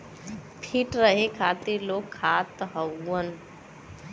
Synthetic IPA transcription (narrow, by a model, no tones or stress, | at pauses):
pʰiʈɾəɦekʰat̪iɾlokʰːat̪ɦəwːən